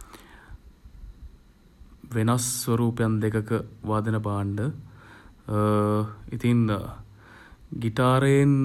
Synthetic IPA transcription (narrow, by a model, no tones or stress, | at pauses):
ʋenɐsʋɐɾuːpjɐnd̪ekɐkɨʋaːd̪ɐnɐbaːɳɖɨ | it̪in | ɡiʈaːɾeːn